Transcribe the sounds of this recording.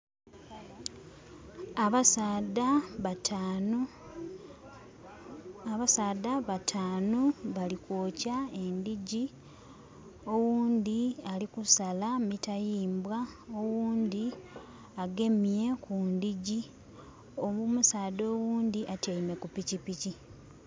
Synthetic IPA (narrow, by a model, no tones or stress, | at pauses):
ada | βasaːdaβatʰaːnoβalikwoːcae̞nd̪iɟi | o̞wuːnd̪ialikusalamitajiːmbwaowuːnd̪i | aɡe̞mje̞kundiɟi | omumusaːdo̞ːwuːnd̪iʔatjajime̞kupicipici